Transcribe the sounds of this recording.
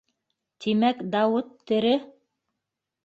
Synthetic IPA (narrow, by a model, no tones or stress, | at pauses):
t̪imækd̪ɑwɤt̪ʰːɘ̆ɾɘ